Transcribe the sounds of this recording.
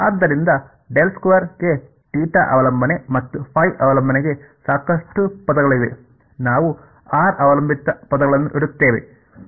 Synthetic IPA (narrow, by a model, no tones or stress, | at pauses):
aːd̪ːɐɾind̪ɐ | ɖelskuʋɐɾɡe̞ | ʈiːʈɐ̰ʔɐʋɐlɐmbʱɐne̞mɐt̪ːupʰɐjʔɐʋɐlɐmbʱɐneɡe̞ | saːkɐʂʈupɐd̪ɐɡɐɭiʋe̞̰ | naːʋu | aːɾʔɐʋɐlɐmbʱit̪ːɐpɐd̪ɐɡɐɭɐnːuʔiɽut̪ːeːʋe̞̰